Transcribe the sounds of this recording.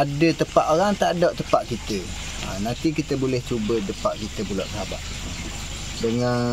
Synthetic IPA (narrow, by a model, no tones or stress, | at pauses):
adət̪əpaʔ̪oɾaŋt̪aʔdoʔt̪əpaʔkit̪ə | ə̰nant̪ikit̪əbolɛht͡ʃubədəpaʔ̚kit̪əpuloʔsəɦaba̰ʔ̚ | dəŋan